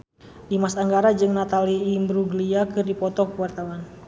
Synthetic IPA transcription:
dimasaŋɡaɾad͡ʒɨŋnat̪aliimbɾuɡliakɨrdipɔt̪ɔkwart̪awan

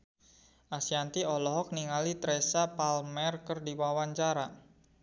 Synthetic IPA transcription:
ʔasiant̪iɔlɔɦɔk̚niŋalit̪ɾɛsapalmɛrkərdiwawaɲt͡ʃaɾa

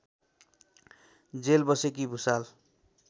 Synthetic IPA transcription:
d͡zelbʌsekibʱusal

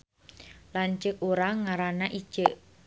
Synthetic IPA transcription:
lant͡ʃəkuɾaŋaɾanaʔi̥ʒ̥əʔ

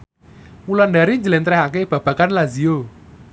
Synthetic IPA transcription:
wulandaɾiɲd͡ʒəlɛnt̪ɾɛɦakeb̥ä̤b̥ä̤kanlazio

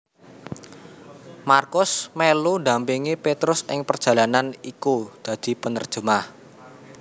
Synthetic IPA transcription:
markʊsmelud̪ä̤mpiŋipet̪ɾʊsʔɪŋpərd̥ʒ̥ä̤lananikud̪̥ä̤d̪̥i̤pənərd̥ʒ̥əmah

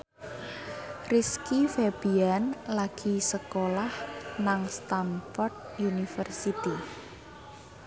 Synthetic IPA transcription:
riskifeb̥ianlaɡ̥i̤səkolahnaŋst̪anfɔrd̪̚ | junifərsit̪i

